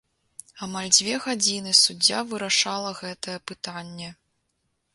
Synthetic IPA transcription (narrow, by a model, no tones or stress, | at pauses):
amalʲd͡zʲvʲɛɣad͡zʲinɨsud͡zʲːavɨɾaʂalˠɐɣɛt̪ɐjɛpɨt̪anʲːɛ